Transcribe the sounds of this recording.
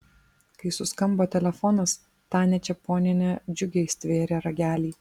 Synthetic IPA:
kɐɪsʊskɐmboːt̪ʲɛlʲɛfɔnɐs | t̪ɑːnʲɛt͡ʃʲɛpoːnʲɪnʲed͡ʒʲʊɡʲɛɪsʲt̪ʲʋʲeːɾʲeːɾɐɡʲæːlʲiː

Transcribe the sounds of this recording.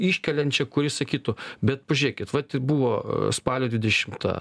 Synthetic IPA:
iʃʲkʲɛlʲɛnʲt͡ʃʲɛkʊɾʲɪsɐkʲiːt̪ʊbʲɛt̪̚pɐʒʲʊɾʲeːkʲɪt̪ʋɐt̪ʲɪbuːʋoːspɑːlʲoːd̪ʲʋʲɪd̪ʲɛʃʲɪmt̪ɑ̰ː

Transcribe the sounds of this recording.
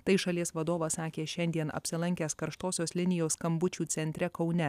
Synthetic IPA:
t̪ɐɪʃɐlʲiɛsʋɐd̪oːʋɐsɑːkʲeːʃʲɛnʲd̪ʲiɛnɐ̰pʲsʲɪlˠɐŋʲkʲæːskɐɾʃt̪oːsʲoːslʲɪnʲɪjoːskɐmbʊt͡ʃʲuːt̪sʲɛnʲt̪ʲɾʲɛkɐʊnʲɛ

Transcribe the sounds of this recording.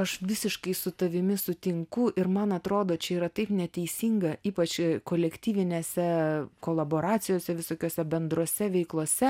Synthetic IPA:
ɐʃʋʲɪsʲɪʃkɐɪsʊt̪ɐʋʲɪmʲɪsʊt̪ʲɪŋkʊʔɪrmɐnɐt̪ɾoːd̪oːt͡ʃʲɛiːɾɐt̪ɐɪpnʲɛt̪ʲɛɪsʲiːŋɡɐiːpɐt͡ʃʲkoːlʲɛkt̪ʲiːʋʲɪnʲeːsʲɛkoːlˠɐboːɾɑːt͡s̪ʲɪjoːsʲɛʋʲɪsoːkʲoːsʲɛbʲɛnd̪ɾoːsʲɛʋʲɛɪklˠoɔsʲɛ

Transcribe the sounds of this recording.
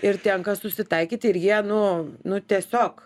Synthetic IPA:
ɪrt̪ʲɛŋkɐsʊsʲɪt̪ɐɪkʲiːt̪ʲɪɪɾjiɛnʊnʊt̪ʲiɛsʲoːk

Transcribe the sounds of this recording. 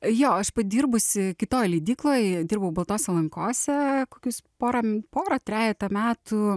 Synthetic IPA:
joːɐʃpɐd̪ʲiːɾbʊsʲɪkʲɪt̪oːjlʲiːd̪ʲiːklˠoːjd̪ʲiːrbɐʋʊbɐlˠt̪oːsʲɛlˠɐŋkoːsʲɛkoːkʲʊspoːɾɐpoːɾɐt̪ʲɾʲæːlʲɛkt̪ɐmʲæːt̪ʊ

